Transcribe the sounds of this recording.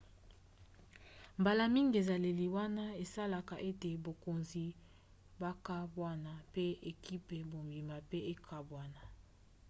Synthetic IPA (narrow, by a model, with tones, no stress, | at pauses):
mba˨la˨mi˦ŋɡi˨e˨za˨le˨li˨wa˦na˦e˨sa˦la˨ka˨ʔe˦te˨bo˨ko˨nzi˨ | ba˦ka˦bwa˦na˦pe˦e˨ki˦pe˨bo˨mbi˨ma˨pe˦e˦kʰa˦bwa˦na˦